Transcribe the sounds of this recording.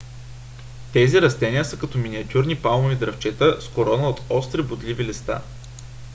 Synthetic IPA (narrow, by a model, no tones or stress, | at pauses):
t̪ɛziɾɐst̪ɛniəsəkɐt̪ɔminiɐt̪ʲuɾnipalˠmovid̪ɾɐft͡ʃɛt̪əskoɾɔnəot̪ɔst̪ɾɛbʊd̪livilist̪a̰